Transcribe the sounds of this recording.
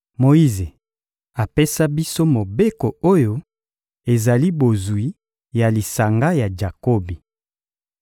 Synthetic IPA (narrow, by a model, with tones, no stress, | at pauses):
mo˨i˦ze˨ | a˨pe˦sa˦bi˦so˦mo˨be˦ko˨o˦jo˦ | e˨za˨li˦bo˨zwi˦ | ja˨li˨sa˨ŋɡa˦ja˨d͡ʒa˨ko˦bi˨